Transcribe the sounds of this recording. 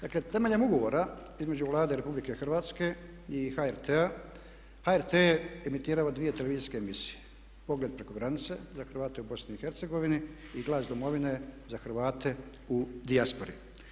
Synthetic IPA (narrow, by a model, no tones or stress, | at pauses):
d̪akle̞t̪e̞me̞ʎe̞muɡo̞ʋo̞ːɾa | izme̞d͡ʑuʋlˠaːd̪eɾepublike̞xr̩ʋaːt̪ske̞ | ixaeɾt̪ea | haeɾt̪eemit̪iːɾaːʋad̪ʋije̞t̪e̞leiziske̞ːmisi̥je | po̞ɡled̪̚pɾeko̞ɡɾanit̪se̞̰zaxr̩ʋaːt̪eubo̞sniixe̞ɾt̪seɡo̞ʋini | iɡlˠaːsd̪o̞mo̞ʋine̞zaxr̩ʋaːt̪e̞ | ud̪iaspo̞ɾḭ